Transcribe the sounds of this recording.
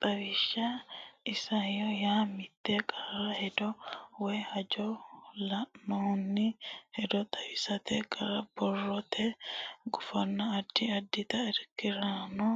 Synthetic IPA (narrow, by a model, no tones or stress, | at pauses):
t̪ʼɐwɪʃːɐɪsɐjɔjaːmɪt̪ːekʼɐrɐhɛd̪ɔwɛhɐd͡ʒɔlɐʔnɔnːɪhɛd̪ɔt̪ʼɐwɪsɐt̪ɛkʼɐɾɐb̥ɔrːɔt̪ʰɛɡʊfɐnːɐːd̪ːɪɐd̪ːɪt̪ɐɛɾkɪɾanɔ